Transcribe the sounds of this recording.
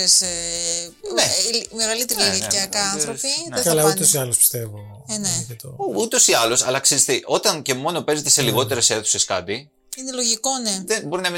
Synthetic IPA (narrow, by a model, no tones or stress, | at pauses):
ese | nelmeɣɐlit̪eɾilicɐkɐɐnθɾofinðekɐlɐut̪osiɐlospi̥st̪evo | neet̪out̪o̞siɐlo̞sɐ̰lɐksizest̪eʔo̞t̪ɐnce̞mo̞no̞pe̞zet̪ese̞liɣo̞t̪e̞ɾe̞se̞θu̥se̞skɐ̰t̪i | inelo̞ʝiko̞neðenbo̞ɾinɐmi